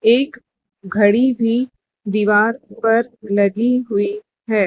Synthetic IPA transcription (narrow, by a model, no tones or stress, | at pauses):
eːk | ɡʱɐɽibʱi | d̪iːʋaːɾpɐɾlɐɡiɦʊi | ɦɛː